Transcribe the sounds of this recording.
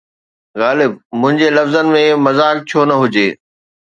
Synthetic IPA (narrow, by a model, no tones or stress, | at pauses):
ɣaːlɪb̚mʊ̃ɦɪ̃ɲd͡ʑelɐfzənɪ̆mẽmɐzaːk̚t͡ɕʰoːnɐɦʊd͡ʑeː